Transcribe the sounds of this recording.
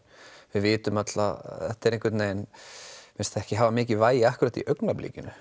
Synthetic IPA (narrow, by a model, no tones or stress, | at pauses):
vɪðvɪːt̪ʏmat̪la̰ɛht̪ɛɾẽhŋkvɪɾt̪neːjnmɪn̥st̪ɛhcɪɦaːvamɪːcɪvaːjɪahkʏɾat̪ḭʔœknaplḭːcʏnʏ